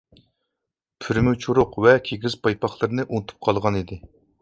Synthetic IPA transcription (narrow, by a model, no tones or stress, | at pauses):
pʰyɾmut͡ʃʰuɾʊqvɛkʲʰeɡʲiz̥pʰɑjpɑχlˠɨɾɨnɨʔunt̪ʰu̥p̚qʰɑlˠʁɑnid̪ɪ